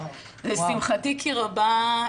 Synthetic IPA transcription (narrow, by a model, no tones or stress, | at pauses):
lesimχatikʰiʁaba